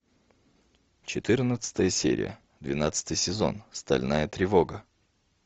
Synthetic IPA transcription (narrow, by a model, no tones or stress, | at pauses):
t͡ɕɪt̪ɨrnət̪sɨ̥t̪əjəsʲḛɾʲɪ̰jə̰ | d̪vʲɪnat̪sɨ̥t̪ɨjsʲɪzo̞̰nst̪ɐ̰lʲnajət̪ɾʲɪvo̞ɡə